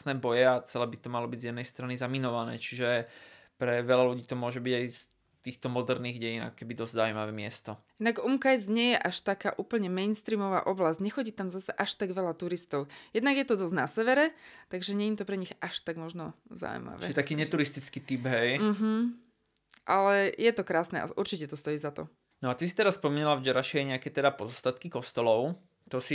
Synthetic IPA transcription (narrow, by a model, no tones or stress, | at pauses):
nɛːbɔjɛat͡sɛlɛːbit̪ɔmalɔbiɟzjɛd̪nɛjst̪ɾanizaminɔʋanɛ̰ːt͡ʃiʒɛ | pɾɛʋɛlaluɟiːt̪ɔmʊɔʒɛbiɟajs | t̪iːxt̪ɔmɔd̪ɛɾniːɣɟɛjina̰kɔ̥kɛbid̪ɔzʲzaʊuimaʋɛːmɪɛst̪ɔ | id̪naɡumkajzɲɪɛjɛʔaʃt̪akaːʔuːpl̩ɲɛmɛɪnst̪ɾiːmɔʋa̰ːʔɔblazɲɛxɔɟiːt̪amzasɛʔaʃt̪aɡʋɛʎat̪uɾist̪ɔʊjɛd̪naɡjɛt̪ɔd̪ɔznasɛʋɛɾɛt̪aɡʒɛɲɛɲit̪ɔpɾɛɲiɣaʃt̪aɡmɔʒnɔza̰wṵma̰ʋɛt͡ʃːt̪akiːɲɛt̪uɾist̪it͡skiːt̪ibɦɛjm̩ɦm̩ | ʔalɛjɛt̪ɔkɾaːsnɛ̰ʔa̰ʔuɾt͡ʃicɛt̪ɔst̪ɔjiːzat̪ɔ | nɔat̪isit̪ɛɾasspɔmiɲalavd͡ʒɛɾaʃijaɛɲɛakɛt̪ɛd̪apɔzɔst̪at̪kikɔst̪ɔlɔʊ | t̪ɔsi